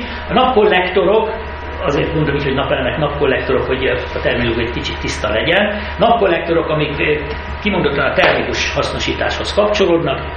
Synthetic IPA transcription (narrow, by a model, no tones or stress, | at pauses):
ɒnɒpko̞lːɛkt̪o̞ɾo̞k | ɒzeːrt̪mod̪o̞miːcho̞ɟnɒpɛnɛnɛknɒpko̞lːɛk̚t̪o̞ɾo̞kho̞ɟɒt̪ɛrminloːɡjjikit͡ʃit̪ːist̪ɒlɛɟɛn | nɒpko̞lːɛk̚t̪o̞ɾo̞kɒmik | kimod̪ot̪lːɒnɒt̪ɛrmikuʃhɒsno̞ʃiːt̪a̰ːʃho̞skɒpt͡ʃo̞loːd̪nɒk